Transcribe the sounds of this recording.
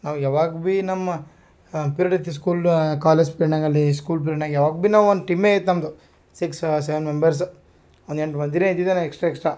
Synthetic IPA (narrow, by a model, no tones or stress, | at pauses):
naːʋjaːʋaːɡbinɐmːɐ | piɾɐʈɐt̪ːis̬kuːlkaːled͡ʒpiɾɐɳaːɡɐlːiskuːlp̬iɾnaːɡjaːʋaːɡbinaːʋond̪ʈimːeit̪ːnɐmd̪u | siksseʋenmembɐɾs̬ | ond̪eɳʈmɐnd̪iɾeid̪id̪enɐeksʈɾaːeksʈɾa